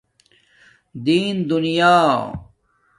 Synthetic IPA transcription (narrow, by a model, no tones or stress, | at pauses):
d̪iːnd̪unijaː